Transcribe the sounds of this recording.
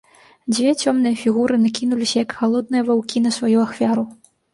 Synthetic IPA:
d͡zʲvʲɛt͡sʲɔmnɨjɐfʲiɣuɾɨnakʲinulʲisʲɐjɐkxalˠɔd̪̚nɨjɐvawkʲinɐsvajuaxfʲaɾu

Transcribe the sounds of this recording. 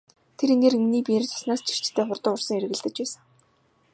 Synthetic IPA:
t̪ʰeɾeneːreŋniːpiert͡sʰɔ̥snaːst͡ɕʰi̥r̥t͡ɕt̪ʰːeːχʊrt̪ə̆ʊrsə̆ŋeɾɘ̆ɣɘ̆ɮt̪ɘ̆t͡ɕpæːsə̆ŋ

